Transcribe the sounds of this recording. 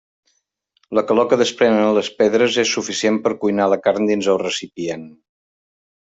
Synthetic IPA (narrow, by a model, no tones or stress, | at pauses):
ləkəlɔkəðəspɾɛnələspeðɾəzesːufisiempəɾkujnaləkarnd̪inzəlˠrəsipien